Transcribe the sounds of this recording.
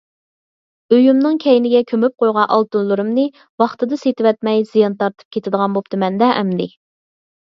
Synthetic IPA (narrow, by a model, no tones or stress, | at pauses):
øjymnɨŋkʲʰɛjnɪɡʲɛkʲʰømyp̚qʰojʁɑʔɑlˠt̪unlˠɨɾɨmnɨ | wɑχt̪ɨd̪ɨset̪ɪwɛt̪̚mɛjzijɑnt̪ʰɑɾt̪ʰɨ̥p̚kʲʰet̪ʰɪd̪əʁɑnbop̚t̪ɨmɛnd̪ɛʔɛ̰md̪ɪ